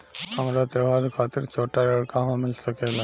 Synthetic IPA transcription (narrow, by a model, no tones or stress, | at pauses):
həmɾat̪əbaɾkʰaːt̪ɪɾt͡ʃʰoːʈaɾəɭkaɦõmɪlsəkela